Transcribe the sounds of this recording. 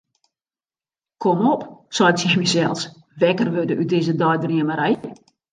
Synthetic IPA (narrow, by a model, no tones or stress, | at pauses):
kʰɔmɔpsɔjtt͡sɛmisɛlˠs | ʋɛkərʋødəʔydɪzədɔjdriəməɾɛjə